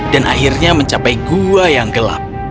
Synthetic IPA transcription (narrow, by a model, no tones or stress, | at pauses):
danʔa̰ɦirɲaməɲt͡ʃapajɡuajaŋɡəla̰p̚